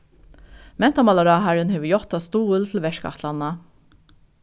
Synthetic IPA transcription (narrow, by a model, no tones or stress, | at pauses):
mɛnt̪ɑmɑlɑɾɑːɦæɹənheːʋəjɔt̪ɑst̪uːəlt̪ʰl̩ʋɛʃkɑ̰ht̪ʰlɑnɑ